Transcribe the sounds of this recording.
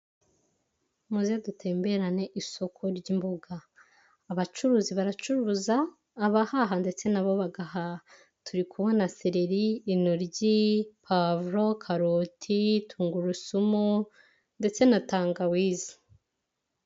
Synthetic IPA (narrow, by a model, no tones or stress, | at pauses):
muzijadutʰe̞ːmbe̞ɾane̞ʔiso̞kʰo̞ɾɟimboɡaː | βat͡ʃuɾuːziβaɾat͡ʃuɾuzaː | βahaɦande̞t͡se̞naβo̞βaɡaha | tʰuɾikuβonaseɾeɾiinoɾɟipʰavɾo̞kʰaɾotʰitʰuːŋɡuɾusumu | nde̞t͡se̞nataːŋɡawiːzi̥